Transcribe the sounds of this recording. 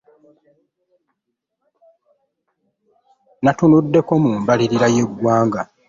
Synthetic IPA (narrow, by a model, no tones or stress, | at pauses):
natunudːe̞ko̞muːmbaliɾiɾaje̞ɡwaːŋɡa